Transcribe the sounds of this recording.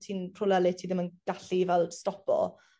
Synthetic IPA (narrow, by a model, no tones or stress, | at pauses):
tʰiːnpʰrʊlɛlɨtʰiːðɪmənɡ̥aɬivɛlˠstɔpɔ̰